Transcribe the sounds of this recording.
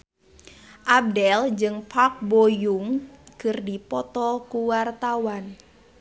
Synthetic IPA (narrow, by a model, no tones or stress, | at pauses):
ʔab̚dɛld͡ʒɨŋpʰak̚bojuŋkɨrdipɔt̪ɔkuwart̪awan